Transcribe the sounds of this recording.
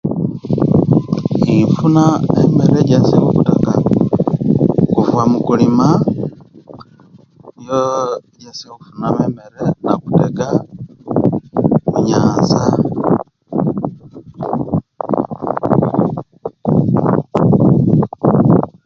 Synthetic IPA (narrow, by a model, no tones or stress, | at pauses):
ifunaemeɾeɟesiwokuteka | kuvwamukulima | joeɟesiwokufunaβemeɾenaku̥teɡa | muɲaːnza